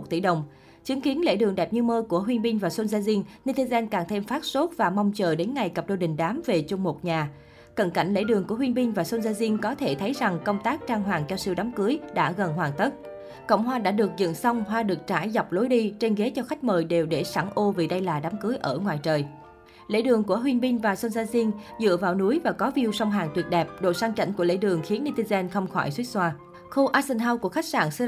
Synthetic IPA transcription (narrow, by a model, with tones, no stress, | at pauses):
t̚t̪ḭ˧˩ɗə˨˩wŋ͡m | t͡ɕɨ˨˦əŋki˨˦ənlḛ˧˥ɗɨ˨˩əŋɗɛ˨˩p̚ɲɨ˧məː˧ku˧˩əɦwi˧nɓi˧ŋ̟vaː˨˩so˧nzaː˧zi˧ənni˧t̪i˧zɛ˧nkaː˨˩ŋt̪ʰe˧mfaː˦˥t̚so˦˥t̚vaː˨˩ma˧wŋ͡mt͡ɕəː˨˩ɗe˨˦nŋa˨˩jkə˨˩p̚ɗo˧˩ɗï˨˩ŋ̟ɗaː˨˦mve˨˩t͡ɕʊ˧ŋ͡mmo˨˩t̚ɲaː˨˩ | kə˧˩nka̰˧˨jŋ̟lḛ˧˥ɗɨ˨˩əŋku˧˩əwənɓï˧ŋ̟vaː˨˩so˧nzaː˧zi˧ənkɔ˨˦t̪ʰe˧˩t̪ʰə˨˦jza˨˩ŋkə˧wŋ͡mt̪aː˦˥k̚t͡ɕaː˧ŋɦwaː˨˩ŋt͡ɕɔ˧si˧wɗaː˨˦mkɨ˨˦əjɗa̰ː˧˥ɣə˨˩nɦwaː˨˩ŋt̪ə˦˥t̚ | kə̰˧˨wŋ͡mɦwaː˧ɗa̰ː˧˥ɗɨ˨˩ək̚zɨ̰˧˨nsɔ˧wŋ͡mɦwaː˧ɗɨ˨˩ək̚t͡ɕa̰ː˧˩jza˨˩wk͡p̚lo˨˦jɗi˧t͡ɕe˧nɣe˨˦t͡ɕɔ˧xa˦˥k̚məː˨˩jɗe˨˩wɗe˧˩saː˧˩ŋʔo˧vi˨˩ɗə˧jlaː˨˩ɗa˨˦mkɨ˨˦jʔəː˧˩ŋwaː˨˩jt͡ɕəː˨˩j | lḛ˧˥ɗɨ˨˩əŋku˧˩əɦwi˧ənɓï˧ŋ̟vaː˨˩so˧nzaː˧zi˧ənzɨ̰˧˨əvaː˨˩wnu˨˦jvaː˨˩kɔ˨˦vi˧əwsa˧wŋ͡mɦaː˨˩ŋt̪wi˨˩ət̚ɗɛ˨˩p̚ɗo̰˧˨saː˧ŋt͡ɕa̰˧˩jŋ̟ku˧˩əlḛ˧˥ɗɨ˨˩əŋxi˨˦ənːi˧t̪i˧zɛ˧nxə˧wŋ͡mxɔ̰˧˩jswi˦˥t̚swaː˧ | xu˧ʔaː˧sɛ˧nɦaː˧wku˧˩əxa˦˥jk̚sa̰ː˧˩nsɛ˧